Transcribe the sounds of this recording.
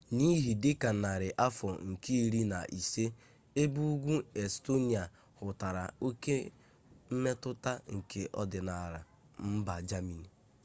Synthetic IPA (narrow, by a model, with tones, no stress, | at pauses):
ni˦ɦi˨dɪ˦ka˨na˨ɾɪ˨ʔa˦fɔ˨ŋ̩˨ki˦i˦ɾi˦na˨ʔi˨se˦ | e˦bu˦ɡʷu˦e˨sto˦ni˨a˨ | hʊ˨ta˨ɾa˨o˦ke˦ | m̩˦me˦tʊ˦ta˦ŋ̩˨kʰe˨ʔɔ̰˦dɪ˨na˨ɾa̰˨ | m̩˦ba˨d͡ʒa˦mi˨ni˨